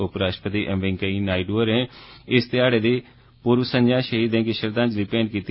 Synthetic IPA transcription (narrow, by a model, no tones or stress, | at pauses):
ʊpɾaːʃʈəpət̪iːʔɛ̃mʋɪ̃ŋkəiːnaːiɖuːəɾɦɛ̃ːɪst̪ɪaːɽeːd̪iː | puːɾʋsə̃ɲd͡ʒãːʃəɦiːd̪ɛ̃ːkɪʃəɾd̪ãːd͡ʒliːpɛːɳɖkiːt̪i